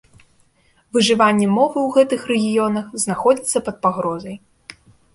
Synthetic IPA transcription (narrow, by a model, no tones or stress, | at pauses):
vɨʐɨvanʲːɛmɔvɨwɣɛt̪ɨxrɛɣʲijɔnɐxznaxɔd͡zʲit̪sːɐpɐt̪̚paɣɾɔzɐj